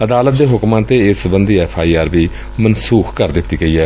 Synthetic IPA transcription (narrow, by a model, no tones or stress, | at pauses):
əd̪aːlət̪̚d̪eːɦʊkmãːt̪eːɪsbənd̪iːɛːpʰaːiːaːɾbiː | mənsuːxʰkəɾd̪ɪt̪ːiːɡəiːɛː